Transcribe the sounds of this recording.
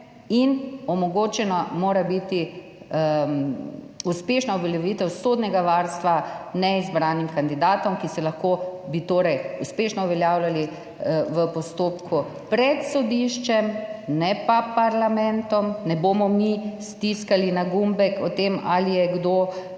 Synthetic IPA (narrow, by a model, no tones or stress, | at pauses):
inɔmɔɡoːt͡ʃɛnɔmoːɾabit̪i | uspeʃnauʋɛljɛʋiːt̪ɛwsod̪nɛɡaʋaɾst̪ʋanɛizbɾaːnimkand̪id̪aːt̪ɔmkisɛlɐxkoːbit̪oːɾɛjuspeʃnɔuʋɛljaːwlali | ʋəpɔst̪oːpkʰu | pɾɛt̪sɔd̪iʃt͡ʃɛmnɛpapaɾlamɛ̃nt̪ɔmnɛboːmɔmist̪iskalinaɡumbɛkɔt̪ema̰lijɛɡd̪oː